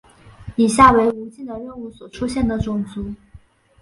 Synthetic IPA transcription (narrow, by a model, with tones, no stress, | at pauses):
i˨˩ɕja˥˩we˧˥ɪu˧˥t͡ɕi˥˩nd̪ə˩ɻə˥˧nu˥˩swɔ˨˩ʈ͡ʂʰu˥ɕjɛ˥˩nd̪ə˩ʈ͡ʂʊ˨˩ŋt͡su˧˥